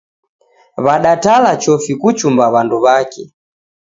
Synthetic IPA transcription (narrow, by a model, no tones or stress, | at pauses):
βaɗatalat͡ʃɔfikut͡ʃumbaβanduβakɛ